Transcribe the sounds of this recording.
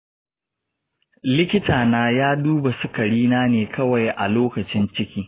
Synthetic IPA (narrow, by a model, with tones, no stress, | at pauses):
lɪ˦kʲɪ˦tʰaː˨naː˦jaː˦duː˦ba˨sʊ˦kɐ˨ɽiː˦naː˦neː˨kʰɐ˦wa˨jʔa˨loː˦kɐ˨t͡ʃɪ˦nt͡ʃɪ˦kʲiː˦